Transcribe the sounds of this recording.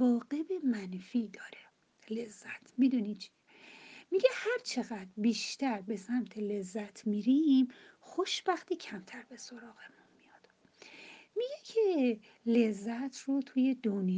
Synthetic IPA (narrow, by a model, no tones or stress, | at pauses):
ɒːɢe̞be̞mænfiːd̪ɒːɾe | le̞zːæt̪ʰmid̪unit͡ʃʰi̥ | miɟehæɾt͡ʃʰe̞ɣæd̪ɾbiːʃt̪ʰæɾbe̞sæmt̪ʰele̞zːæt̪ʰmiːɾimxoʃb̥æxt̪iːcʰæmt̪ʰæɾbe̞so̞ɾɒːɣe̞munmijɒd̪̥ | miɟecʰe | le̞zːæt̪ʰrot̪ʰuːje̞d̪onj